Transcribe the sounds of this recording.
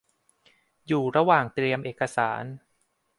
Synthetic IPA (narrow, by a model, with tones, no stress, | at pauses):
juː˨˩ɾa˧waː˨˩ŋt̪ɾi˧əmʔeː˨˩kːa˧saː˩˦n